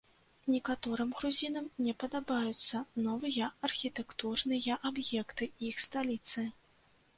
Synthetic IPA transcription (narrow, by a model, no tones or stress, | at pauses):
nʲɛkat̪ɔɾɨmɣɾuzʲinɐmnʲɛpɐd̪abajut̪sːɐnɔvɨjɐɐrxʲit̪ɛkt̪urnɨjɐʔabjɛkt̪ɨixst̪alʲit̪sɨ